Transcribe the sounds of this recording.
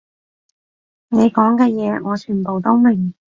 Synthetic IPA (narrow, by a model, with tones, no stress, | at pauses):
ne˨˧jkɔː˨˥ŋkɛː˧jɛː˨˧ŋɔː˨˧t͡ʃʰyː˨˩npo˨wt̪o˥wme˨˩ŋ